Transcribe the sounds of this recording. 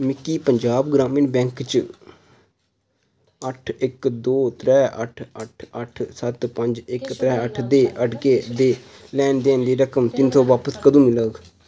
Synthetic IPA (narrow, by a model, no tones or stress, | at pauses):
mɪkːiːpəɲd͡ʒaːbɡɾaːminbɛ̃ːŋkt͡ʃ | əʈʰɪkd̪oːt̪ɾɛːʔəʈʰəʈʰəʈʰsət̪pəɲd͡ʒɪkt̪ɾɛːəʈʰd̪eːʔəʈkeːd̪eː | lɛːnd̪eːnd̪eːɾəkəmt̪ɪnsoːʋaːpəskəd̪ũːmɪləɡ